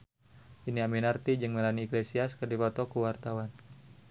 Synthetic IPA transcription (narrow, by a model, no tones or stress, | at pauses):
ʔiniaminart̪id͡ʒɨŋməɾaniːklesiaskərdipɔt̪ɔkuwart̪awan